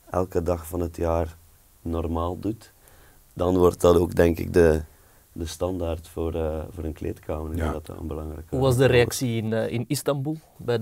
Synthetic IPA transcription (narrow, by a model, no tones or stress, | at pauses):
ʔɛ̰lˠkədɑxfɑnətjaːr | nɔrmaːlˠdut | dɑnʋɔrt̚dɑtoːɡdɛŋkɪ̰ɡ̚də | dəstɑndaːrtfoːrvoːɾənklḛːtkʰaːmərɡɛŋɡdɑta̰ə̰nbəlɑŋrɛ̰jkəuʋɑsdəɾeɑksiɪnɪnistɑmbulˠ | bɛj